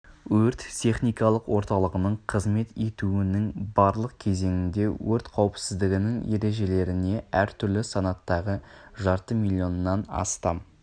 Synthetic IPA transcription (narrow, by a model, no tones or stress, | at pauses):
wɵɾt̪t̪ʰe̞χnijkɑlˠəqwo̞ɾt̪ɑlˠəʁənəɴqʰəzme̞t̪et̪uɪnɪŋbɑɾlˠəq̚kʲʰe̞ze̞ŋɪnd̪e̞wɵɾt̪qʰɑwəpsɪzd̪ɪɡʲɪnɪŋe̞ɾe̞ʒe̞le̞ɾɪne̞æɾt̪ʰʏɾlɪsɑnɑt̪ːɑʁəʒɑɾt̪əmilʲˠːjo̞nnːɑnɑ̰st̪ɑm